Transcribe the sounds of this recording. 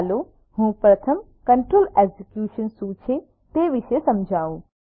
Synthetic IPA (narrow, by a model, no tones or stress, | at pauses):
lo | hũːpɾɐt̪ʰəm | kɐɳʈɾoːleɡzikjuːʃənsuːt͡ʃʰe | t̪eʋɪʃesɐmd͡ʒʱaːũː